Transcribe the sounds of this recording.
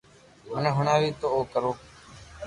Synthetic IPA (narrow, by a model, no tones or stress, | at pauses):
ɦʊnẽɦʊɳaːʋiːt̪oːoːkəɾoː